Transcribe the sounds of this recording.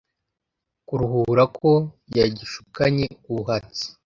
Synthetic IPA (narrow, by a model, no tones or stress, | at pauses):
kuɾuhuuɾakʰo̞ | jaɟiʃu̥kaɲeuβuɦat͡si̥